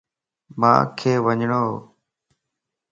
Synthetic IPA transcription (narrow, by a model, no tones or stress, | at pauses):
mã̰ːkʰeːʋəɲɳoː